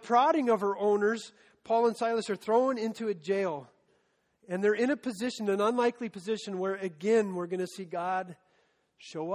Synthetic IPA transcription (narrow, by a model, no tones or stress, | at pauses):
pʰɹ̥ɑɾɪ̃ŋʌv̥ə˞ʔõʊ̃nə˞z̥ | pʰɔlˠə̃nsaɪlˠəsə˞θɹõʊ̃nɪ̃ntʰʉɨd͡ʒeɪlˠ | ɨ̃nðə˞ɪ̃nɨpʰɨzɪʃɨ̃nɨ̃nə̃nlaɪklipʰɨzɪʃɨ̃nwə˞ɨɡɛ̃nwɪɹɡʌnɨsiɡɑd̥̚ | ʃoʊʌ